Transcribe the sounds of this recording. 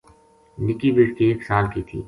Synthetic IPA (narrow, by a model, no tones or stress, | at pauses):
nɪkibiʈkieːksaːlkit̪ʰḭː